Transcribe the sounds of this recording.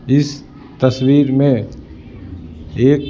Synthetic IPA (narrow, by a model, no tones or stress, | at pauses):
ɪs | t̪əswiːɾmẽ | eːk